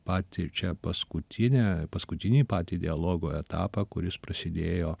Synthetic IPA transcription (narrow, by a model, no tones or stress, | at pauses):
pɑːt̪ʲɪt͡ʃʲɛpɐskʊt̪ʲʰɪnʲæːpɐskʊt̪ʲɪnʲiːpɑːt̪ʲiːd̪ʲɪɐlˠoːɡoːɛt̪ɑ̰ːpɐkʊɾʲɪspɾɐsʲɪd̪ʲeːjoː